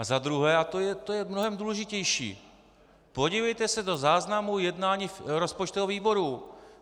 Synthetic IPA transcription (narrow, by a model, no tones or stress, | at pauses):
ʔazad̪ɾuɦɛːat̪ojɛt̪ojɛmnoɦɛmduːlɛʒɪcɛjʃḭː | po̞ɟivɛjt̪ɛsɛdo̞zaːznamujɛdnaːɲiːfɾospot͡ʃt̪oɦoviːbo̞ɾu